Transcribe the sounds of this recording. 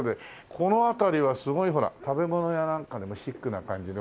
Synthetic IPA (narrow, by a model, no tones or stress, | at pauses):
d̪e | kʰo̞no̞at̪aɾʲiβasɨɡo̞iɦo̞ɾa̰t̪abe̞mo̞no̞janãŋkad̪emoɕikːɯ̟nakãɲ̟d͡ʑid̪e